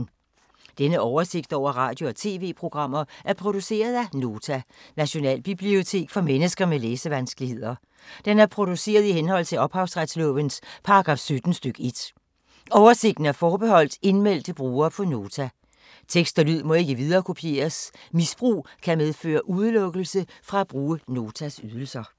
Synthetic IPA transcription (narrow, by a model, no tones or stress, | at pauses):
d̥enəʔɒʊɐse̝ɡ̥̚d̥ɒʊ̰ɐʁɑ̈ːd̥jo̝ɒt͡sʰe̝ːʋe̝̰ːpʰʁo̝ɡ̥ʁɑ̈m̰ɐʔæɐpʰʁo̝d̥use̝̰ːɐð̞ˠæno̝ːt͡sʰænæɕo̝nɛ̰ːlb̥ib̥lio̝t͡sʰe̝̰ːɡ̥fɒ̽menəsɡ̥ɐmeleːsəʋænsɡ̥lihe̝ð̰ˠɐ | d̥enæɐpʰʁo̝d̥use̝̰ːɐð̞̩ˠihenhɒ̽l̰t͡sʰe̝lɒ̽b̥hɑ̈ʊsʁad̥slɔ̰̽ːʋənspʰɑ̈ɑɡ̥ʁɑ̈ːfsød̥n̩sd̥øɡ̥əe̝d̥ | ɒʊɐse̝ɡ̥̚d̥n̩æɐfɒːb̥e̝ɦɒ̽l̰d̥e̝nmel̰d̥əb̥ʁuːɐːpʰɒ̽no̝ːt͡sʰæ | t͡sʰeɡ̥sd̥ælyð̰ˠmɒ̽e̝ɡ̥əʋið̞ˠɐːkʰo̝pʰie̝̰ːɐsmisb̥ʁṵːkʰæmeð̞ˠfø̰ːɐʔuð̞ˠəlɔ̽ɡ̥l̩səfʁɑ̈æb̥ʁuːəno̝ːt͡sʰæsyðˠəl̩sɐ